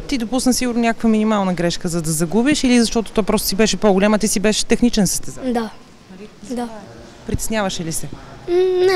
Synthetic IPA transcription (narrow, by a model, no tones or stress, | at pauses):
t̪id̪opusnəsiɡʊɾnonʲakəkvəminimalˠnəɡɾɛʃkəzɐd̪ɐzɐɡubiʃilizɐʃt̪ɔt̪o̥t̪ɔjpɾɔst̪sibɛʃɛpoɡolʲamət̪isibɛʃɛ̥t̪ɛxnit͡ʃɛnsə̥st̪ɛzad̪a | ɐlid̪a | pɾit̪ɛ̥snʲjavəʃɛlisɛ | nɛ